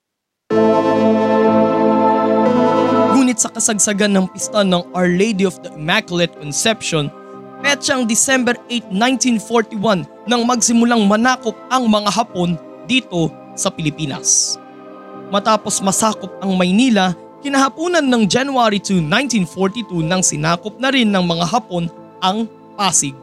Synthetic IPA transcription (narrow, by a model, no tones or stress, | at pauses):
nuːnɪt̪̚sɐkɐsɐɡ̚sɐɡanːɐŋpɪst̪ɐnɐŋɐɹlejd̪iɔfd̪ɐʔɪmakjʊlɛt̪̚konsɛpʃon | pɛt͡ʃɐɐŋd̪ɪsɛmbɛɾʔejt̪̚nãj̃nt̪infoɹt̪iwɐnːɐŋmɐɡsɪmʊlaŋmɐnaːkop̚ɐŋmɐŋaɦɐpo̞n | d̪iːt̪o̞ | sɐpɪlɪpiːnɐ̰s | mɐt̪aːpo̞smɐsaːko̞p̚ɐŋmɐjniːlɐ | kɪnɐɦɐpuːnɐnːɐŋd͡ʒanuaɾit̪unaj̃nt̪infoɹt̪it̪unɐŋsɪnaːkop̚nɐɾɪnːɐŋmɐŋaɦɐpo̞n | ʔɐŋ | paːsɪɡ̚